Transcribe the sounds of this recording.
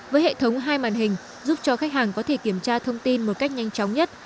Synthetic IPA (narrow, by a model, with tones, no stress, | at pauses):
vəː˨˦jhḛ˧˨t̪ʰə˨˦wŋ͡mɦaː˧jma̰ː˧˨˩nɦï˨˩ŋ̟ | zu˦˥p̚t͡ɕɔ˧xa˦˥k̚haː˨˩ŋkɔ˨˦t̪ʰe˧˩ki˧˩əmt͡ɕaː˧t̪ʰə˧wŋ͡mt̪i˧nmo˨˩t̚ka˦˥jk̚ɲa˧jŋ̟t͡ɕɔ˨˦wŋ͡mɲə˦˥t̚